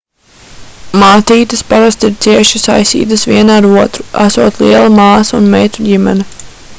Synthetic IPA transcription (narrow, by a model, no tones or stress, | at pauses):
maːt̪iːt̪ɨspaɾast̪iɾt̪siɛʃisa̰jsḭːt̪̬ɨsʋiɛnaɾuɔt̪ɾuæ̰suːt̪lˠiɛlˠamaːsunmɛjt̪uɟimɛ̰ni